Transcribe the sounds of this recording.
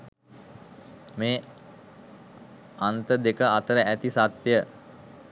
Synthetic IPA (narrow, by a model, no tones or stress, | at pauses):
meː | ant̪əd̪ekəat̪əɾəæt̪isat̪jə